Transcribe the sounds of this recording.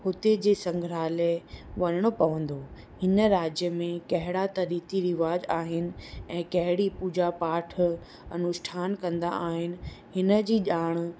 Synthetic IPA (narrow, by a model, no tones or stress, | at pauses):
hʊt̪ed͡ʑeːsɐ̃ŋɡʱɾaːleʋɐɲəɽ̃opɐʋə̃nd̪o | hɪnə̆ɾaːd͡ʑjəmẽkɐɦɪɽat̪ɐɾiːt̪iɾɪʋaːd͡ʑaːɦɪnɪ̆ɛ̃ːkɐɦɪɽipuːd͡ʑapaːʈʰ | ɐnʊʃʈʰaːnkɐ̃nd̪a̰ʔaːɦɪnɪ̆ɦɪnə̆d͡ʑiːʄaːɽ̃